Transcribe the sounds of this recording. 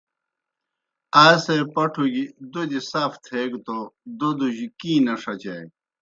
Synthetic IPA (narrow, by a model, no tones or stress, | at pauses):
aːsejpɐʈʰuɡid̪od̪isaːft̪ʰeɡt̪od̪od̪uʑikiːnɐʂɐt͡ɕɐj